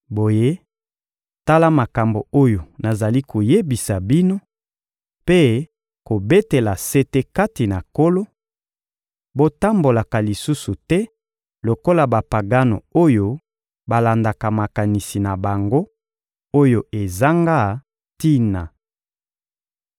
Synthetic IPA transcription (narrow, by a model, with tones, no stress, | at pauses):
bo˨je˦ | ta˦la˦ma˨ka˨mbo˨o˦jo˨na˨za˨li˦ko˨je˦bi˨sa˨bi˦no˦ | pe˦ | ko˨be˦te˨la˨se˦te˦ka˦ti˨na˨ko˦lo˦ | bo˦ta˦mbo˨la˨ka˨li˨su˦su˨tɛ˦ | lo˨ko˦la˨ba˨pa˨ɡa˦no̰˨o˦jo˦ | ba˨la˨nda˨ka˨ma˨ka˨ni˨si˨na˨ba˨ŋɡo˦ | o˦jo˨e˨za˦ŋɡa˦ | ti˦na˨